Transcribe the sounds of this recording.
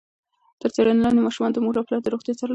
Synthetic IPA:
t̪əɾt͡seɾanalanemɑʃumɑnd̪əmuɡlaplɑɾd̪əɾoxt̪jɑt͡saɾ

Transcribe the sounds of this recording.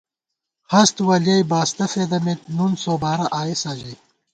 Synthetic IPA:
hɐst̪wɐljɐjbaːst̪ɐfeːd̪ɐmet̪̚nunsoːbaːɾɐʔaːjisaːʑɐj

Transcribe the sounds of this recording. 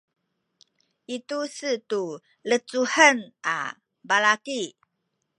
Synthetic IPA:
itusətu | lət͡suħənʔa̰ | balaki

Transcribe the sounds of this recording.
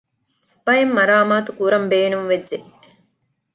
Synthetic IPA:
b̥ɐjemːɐɾaːmaːt̪ukuɾɐmbeːnuŋʋed͡ʒːd͡ʒe

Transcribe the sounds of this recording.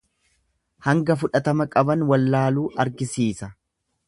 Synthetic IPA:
hɐŋɡɐfʊᶑɐt̪ɐmɐkʼɐbɐnwɐlːaːluːʔɐɾɡɪsiːsɐ

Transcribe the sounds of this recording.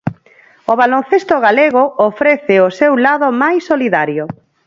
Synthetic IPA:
oβalon̟θest̪oɣaleɣoofɾeθɪosewlaðomajsːoliðaɾjo

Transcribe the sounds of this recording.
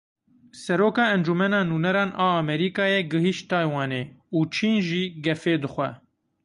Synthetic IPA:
sɛɾoːkɑːɛnd͡ʒumɛnɑːnuːnɛɾɑːnʔɑːɑmɛɾiːkɑːjɛɡɨɦiʃt̪ɑːjwɑːneːuːt͡ʃʰiːnʒiːɡɛfeːd̪ɨxʷɛ̰

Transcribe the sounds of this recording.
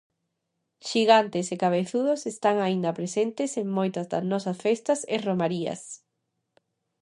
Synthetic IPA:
ʃiɣant̪esekaβ̞eθuðosest̪aŋaĩnd̪ɐpɾesent̪eseŋmojt̪ɐzðɐ̰znɔsɐsfest̪ɐseromaɾiɐ̰s

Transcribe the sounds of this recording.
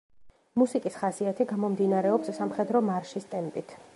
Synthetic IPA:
musikʼisχasiat̪ʰiɡamɔmd̪inaɾɛɔpsːamχɛd̪ɾɔmaɾʃist̪ʼɛmpʼit̪ʰ

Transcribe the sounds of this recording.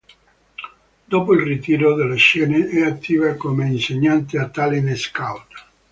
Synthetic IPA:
d̪opoilrit̪iːɾod̪elaʃɛːneʔɛat̪ʰːiːvakomeinseɲːant̪eat̪ːaleneskawt̪ḁ

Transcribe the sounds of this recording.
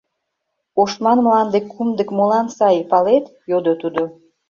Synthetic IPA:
oʃmɑnmlɑnd̪ekʰːumd̪əkmolɑnsɑjpɑlet̪jod̪ot̪ud̪o

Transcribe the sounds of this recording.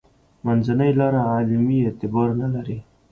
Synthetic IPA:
manzanajlɑɾaalmiet̪ɪbɑɾnalaɾi

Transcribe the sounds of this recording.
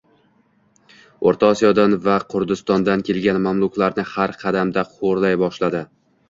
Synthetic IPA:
oɾt̪ʰaɒsijɒd̪anvaqʰʊɾd̪ɪst̪ɒnd̪ankʲʰe̞lˠɡʲanmamlˠʊkʲlaɾnɪhaɾqʰɑd̪amd̪aqʰoɾlajbɒʃlad̪ɪ

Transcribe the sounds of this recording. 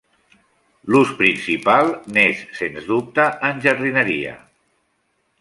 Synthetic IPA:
luspɾinsipalˠnesːenzðup̚t̪əənʲʒərðinəɾiə̰

